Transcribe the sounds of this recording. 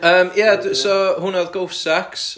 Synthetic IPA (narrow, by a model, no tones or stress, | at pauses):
əːmjadsɔhʊnaðɡowfsaks